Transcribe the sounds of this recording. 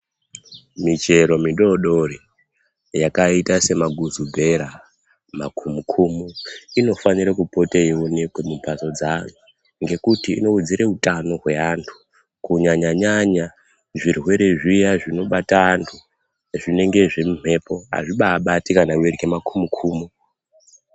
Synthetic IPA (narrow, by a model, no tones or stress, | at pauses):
mit͡ʃe̞ɾo̞miɗo̞ɗori | jakaitase̞maɡʱuzubʱe̞ɾa | makʰumukʰumuino̞faniɾakupo̞teiwo̞ne̞kwe̞mumpaso̞d͡zanu | ŋɡe̞kutḭːno̞ud͡ziɾe̞utano̞ɦwe̞antʰu̥ | kuɲaɲaɲaɲa | ʐirwe̞ɾe̞ʐijaʐino̞ɓataːntʰu | ʐine̞ŋɡe̞ʐemum̤e̞po̞a̰ʐiɓaːɓatikanawerikemakumukʰuːmu